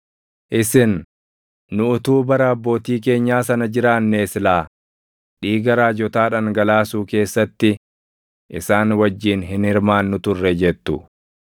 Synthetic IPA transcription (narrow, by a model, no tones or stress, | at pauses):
ʔɪsɪnː | ʊʊt̪uːbɐɾɐɐbːo̞ːt̪iːk̬e̞ːɲːaːsɐnɐd͡ʒɪɾaːnːeːsɪlaː | ᶑiːɡɐɾaːd͡ʒɔt̪aːᶑɐŋɡɐlaːsuːke̞ːsːɐt̪ːɪ | ʔɪsaːnwɐd͡ʒːiːnɦɪnhɪɾmaːnːʊt̪ʊrːɛd͡ʒɛt̪ːʊ